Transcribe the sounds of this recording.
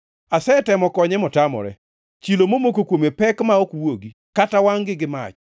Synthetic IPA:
asɛtɛmɔkɔɲɛmɔtamɔ̰ɾɛ̰ | t͡ʃilomomokokwomepɛkmaokwoɡi | katawaŋɡɪɡɪma̰t͡ʃ

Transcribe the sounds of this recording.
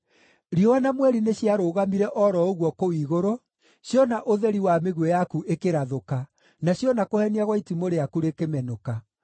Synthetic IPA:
ɾiɔwanamwɛɾineɕjaɾoːɣamiɾɛʔɔɾɔoɣwɔkowiːɣoɾo | ɕjɔnaʔoðɛɾiwameɣwɛjakuʔekeɾaðoka | naɕjɔnakohɛniaɣwaitimoɾeakuɾekemɛnoka

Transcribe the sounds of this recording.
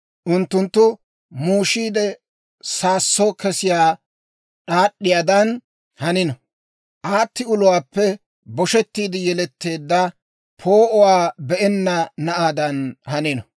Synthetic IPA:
ʔʊnt̪ːʊnt̪ːʊ | muːʃiːd̪ɛ | saːsːokɛsɪjaː | ɗaːɗːɪjaːd̪ɐn | hɐnɪnɔ | ʔaːt̪ːɪʊlʊwaːpːɛ | bɔʃɛt̪ːiːd̪ɪjɛlɛt̪ːe̞ːd̪ːɐ | pʰoːʔɔwaːbɛʔɛnːɐnɐʔaːd̪ɐnhɐnɪnɔ

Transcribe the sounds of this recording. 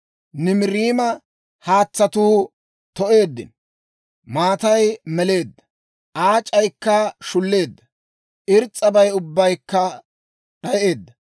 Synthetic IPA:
nɪmɪɾiːmɐ | haːt͡sːɐt̪uː | t̪ɔʔe̞ːd̪ːɪ̰n | maːt̪ɐjmɛle̞ːd̪ːɐ | ʔaːt͡ʃʼɐjkːɐʃʊlːe̞ːd̪ːɐ | ʔɪɾt͡sʼːɐbɐjʊbːɐjkːɐ | ɗɐjʔe̞ːd̪ːɐ

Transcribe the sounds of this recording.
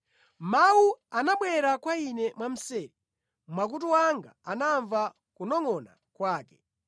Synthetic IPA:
mauanaɓwɛɾakwainɛmwam̩sɛːɾi | mwak̬utuwaŋɡa̰anaɱva | kunɔŋɔna̰ | kwaːkɛ̥

